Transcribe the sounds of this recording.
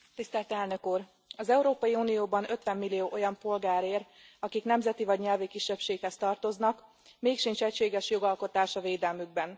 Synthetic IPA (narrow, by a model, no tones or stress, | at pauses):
t̪ist̪ɛlt̪ɛlnø̞kuːr | ɒzɛuɾoːpɒjiuːnijoːbɒnø̞t̪ʋɛmːilːijoːʔo̞jɒmpo̞lɡaːɾeːr | ɒkiknɛmzɛt̪ivɒɟɲɛlvikiʃːɛpʃeːkhɛst̪ɒrt̪o̞znɒk | meːkʃint͡ʃɛcʃeːɡɛʃjo̞ɡɒlko̞t̪aːʃɒveːd̪ɛlmyɡ̚bɛn